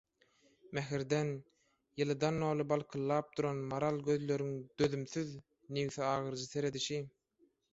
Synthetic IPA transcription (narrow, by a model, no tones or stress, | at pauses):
mæɦiɾd̪en | jɯlˠɯd̪ɑnːoːlˠɯbɑlˠqʰɯlˠːɑːp̚d̪uɾonmɑɾɑlˠɡø̞ðlø̞ɾyŋd̪̥ø̞ðymθyð | niwθɛɑːʁɯɾd͡ʒɯθe̞ɾe̞d̪iʃi